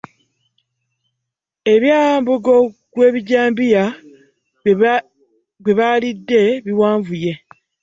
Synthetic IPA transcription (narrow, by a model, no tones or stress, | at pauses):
e̞βjaːaːmbuɡokwe̞ːβiɟaːmbija | ɡweβalidːe̞βiwaːɱvuje̞